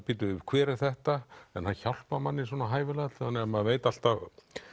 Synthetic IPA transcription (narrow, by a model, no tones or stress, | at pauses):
pɪt̪ʏʏkʰvɛːɾɪθɛht̪aɛnhançawl̥pamanːɪswɔːnaɦaːjvɪlat̪hanːɛamaðveːjt̪al̥t̪a